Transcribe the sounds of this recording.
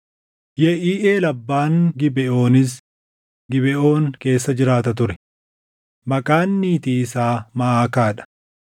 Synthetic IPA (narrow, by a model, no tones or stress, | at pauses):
jɛʔiːʔeːlɐbːaːŋɡɪbɛʔo̞ːnɪs̬ | ɡɪbɛʔo̞ːŋke̞ːsːɐd͡ʒɪɾaːt̪ɐt̪ʊɾɛ | mɐkʼaːnːiːt̪iːɪsaːmɐaːkaːᶑɐ̥